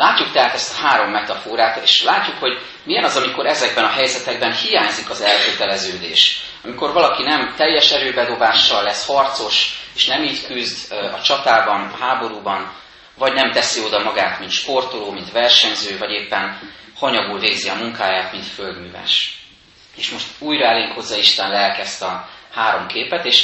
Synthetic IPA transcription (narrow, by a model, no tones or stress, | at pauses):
laːcːukt̪ɛɦaːt̪ɛst̪ɒ̥haːɾo̞mːɛt̪ɒfoːɾaːt̪ḛːʃlaːcːukho̞ɟ | mijɛnɒzɒmiko̞ɾɛzɛɡbɛnɒɦɛjzɛt̪ɛɡ̚bɛnhijaːɲzikɒzɛlkøt̪ɛlɛzøːd̪ḛːʃ | ɒmiko̞rvɒlɒkinɛmt̪ɛjːɛʃɛɾøːbɛd̪o̞baːʃːɒlːɛshɒrt̪so̞ʃeːʃnɛmiːckyzd̪ɒt͡ʃɒt̪aːbɒnɒhaːbo̞ɾuːbɒn | vɒɟnɛmt̪ɛsio̞d̪ɒmɒɡaːt̪mint̪ʃpo̞rt̪oloːmint̪ʋɛrʃɛɲzøːvɒɟeːpːɛn | hɒɲɒɡuːlveːɡziɒmuŋkaːjaːt̪mint̪føld̪myːvɛ̰ʃ | eːʃmo̞ʃt̪uːjɾɒɛleːŋkhozːɒiʃt̪ɛnlɛlkɛst̪ɒhaːɾo̞mkʰeːpɛt̪eːʃ